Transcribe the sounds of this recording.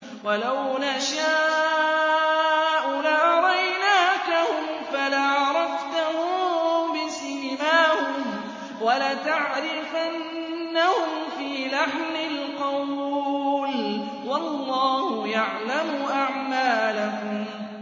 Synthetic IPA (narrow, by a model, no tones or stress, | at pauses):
walawnaʃaː | ʔʊlaʔɾˤɑjjnaːkahʊmfalaʕʕɑɾˤɑft̪ahʊbɪsɪːmaːhʊm | walat̪aʕɾɪfannː | ahʊmfiːlaħmɪlqɑw | l | wɑlːɑːhʊjaʕlamʊʔaʕmaːlahʊm